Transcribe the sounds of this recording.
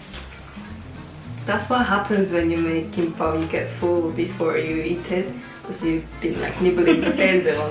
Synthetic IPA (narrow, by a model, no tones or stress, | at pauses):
d̪̥ætswɔt̚ɦapʰə̃nswɛ̃njumekʰĩmpajuɡɛtfulbifɔjuitʰɛd | kʰɔsjubĩnla̰ɪknibəlĩnzəfɛ̃nzɛ̃nɔ̃